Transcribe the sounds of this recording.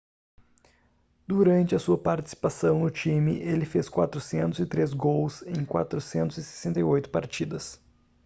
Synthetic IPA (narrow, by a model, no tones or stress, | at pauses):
d̪uɾɐ̃nt͡ʃɪɐsuɐpaɾt͡ʃi̥si̥pasɐ̃w̃nʊt͡ʃĩmɪʔelɪfeskwa̰t̪ɾʊsẽnt̪ʊzɪt̪ɾezɡowsẽj̃kwa̰t̪ɾʊsẽnt̪ʊzɪse̥sẽnt̪ɐjojt̪ʊ̥paɾt͡ʃid̪ɐs